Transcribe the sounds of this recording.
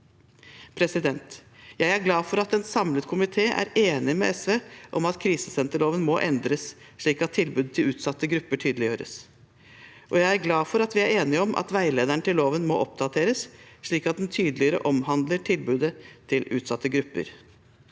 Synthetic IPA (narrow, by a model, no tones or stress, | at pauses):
pʰɾɛsɪd̪ɛnt̪jæɪæɾɡlɑːfɔɾɑt̪ɛnsɑmlət̪kʰʊmɪt̪ʰeːʔæ̰ɾeːnɪmɛ̰ɛsʋeːʔɔmɑt̪kʰɾiːsəsɛnt̪əɭoːʋənmɔːʔɛnd̪ɾəs | ʂɭiːkɑt̪ʰːɪlbʉːd̪̚t̪ʰɪlʉːt̪sɑt̪ːəɡɾʉpːəʈʰyːd̪əlɪjøːɾə̰s | ʔɔjæɪæɾɡlɑːfɔɾɑt̪ʋɪæɾeːnɪɔmʔɑ̰t̪ʋæɪleːd̪æɳət̪ʰɪlːoːʋənmɔːʔɔp̚d̪ɑt̪ʰeːɾəsʂɭiːkɑt̪̚d̪ɛnt̪ʰyːd̪lɪəɾə̰ʔɔmhɑnd̪ləʈʰɪlbʉːd̪ət̪ʰɪlʉ̰ːt̪sɑt̪ːəɡɾʉpːə̰ɾ